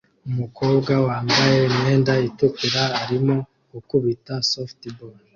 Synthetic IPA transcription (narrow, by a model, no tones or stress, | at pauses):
umuko̞ːbɡawaːmbaje̞mwe̞ːndaitukiɾaːɾimo̞ | ɡukuβitasoftibol